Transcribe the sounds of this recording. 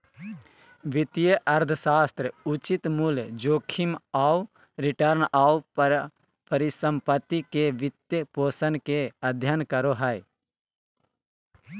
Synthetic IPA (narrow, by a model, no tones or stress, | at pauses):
ʋɪt̪ijəʔɐɾd̪ʱəʃaːst̪ɾəut͡ʃit̪muld͡ʒoːkʰimaːw | ɾɪʈəɾnaːu | pəɾɪsə̃mpət̪ːikeʋɪt̪jəpoːsənkeɐd̪ʱjənkəɾoɦaj